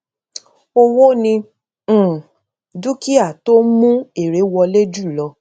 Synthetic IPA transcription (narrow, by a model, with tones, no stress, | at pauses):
o˧wo˦nĩ˧˦˨ | du˦ki˦a˦˨to˦mũ˦e˨ɾe˨˦wɔ˧le˦d͡ʒu˦˨lɔ˧˦